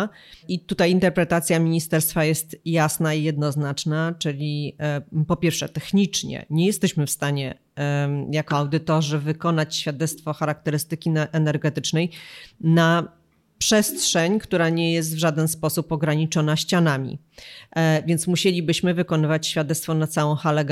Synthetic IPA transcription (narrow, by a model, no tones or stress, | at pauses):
it̪ut̪ajint̪ɛɾpɾɛt̪at̪sʲjamʲiɲist̪ɛɾst̪fajɛst̪jasnaijɛd̪nɔznat͡ʂnat͡ʂɘlʲi | pɔpʲjɛɾfʂɛ̰t̪ɛxɲit͡ʂɲɛ̰ɲɛjɛst̪ɛɕmɘfst̪aɲɛ | jakɔawd̪ɘt̪ɔʐɘvɘkɔnat͡ɕɕfʲjad̪ɛt̪st̪fɔxaɾak̚t̪ɛɾɘst̪ɘkʲiɛnɛɾɡɛt̪ɘt͡ʂnɛjna | pʂɛstʂɛɲkt̪uɾaɲɛjɛs̬t̪vʐad̪ɛnspɔsupɔɡɾaɲit͡ʂɔnaɕt͡ɕanamʲḭ | vʲjɛnt̪smuɕelʲibɘɕmɘvɘkɔnɘvat͡ɕɕfʲjad̪ɛt̪t̪fɔnat̪sawɔ̃w̃xalɛɡ